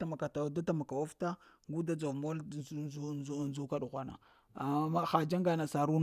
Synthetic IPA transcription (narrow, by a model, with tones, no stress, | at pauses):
a˨ma˨ka˨ta˨da˦ta˦ma˨ka˨wa˦fta˦ | ŋɡu˦da˦d͡za˨vmo˦lu˦˨nd͡zu˦ka˦ɗu˨xʷa˦na̰˨ | a˨ma˦xa˨d͡ʒa˦ŋɡa˨na˨sa˨ɾu˦n